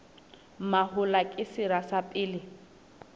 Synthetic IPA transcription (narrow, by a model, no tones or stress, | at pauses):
mahʊlakʼɪsɪɾasapʼɪːlɪ